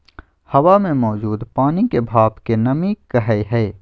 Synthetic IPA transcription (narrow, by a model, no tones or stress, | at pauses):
hɐʋamẽmɔːd͡ʒuːd̪paːnikebʱaːbkenɐmikɐɦəeɦɛː